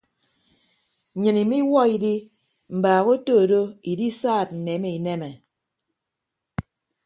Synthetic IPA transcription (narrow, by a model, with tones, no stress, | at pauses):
ɲɨ˨ni˨mi˦wɔ˦i˨di˦ | m̩˨baː˨ɣo˦toː˦˨do˦i˨di˦saː˦˨t̚n̩˨ne˨˦me˨i˨ne˦mɛ˨